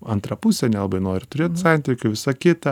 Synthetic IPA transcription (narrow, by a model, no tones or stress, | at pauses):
ɐnt̪ɾɐpusʲɛnʲɛlˠɐbɐɪnoːɾʲɪt̪ʊɾʲeːt̪sɑnʲt̪ʲɪkʲʊʋʲɪsɐkʲɪt̪ɐ